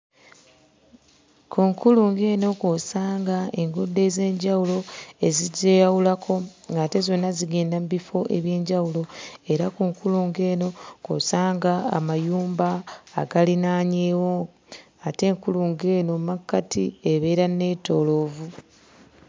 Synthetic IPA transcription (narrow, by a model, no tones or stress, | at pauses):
kʰuŋkuluŋɡe̞ːno̞kosaːŋɡae̞ŋɡudːe̞ze̞ːɲɟawulo̞e̞ziɟejawulakʰo̞ŋɡaːte̞zo̞nːaziɡe̞ːndamubifo̞ʔe̞̰βje̞ːɲɟawulo̞e̞ɾakuːŋkuluːŋɡe̞ːno̞ko̰saːŋɡa̰ːmajuːmbaːɡalinaːɲeːwo̞ | ate̞ːŋkuluŋɡe̞ːno̞makːatʰieβe̞ːɾane̞ːto̞ːlo̞ːvu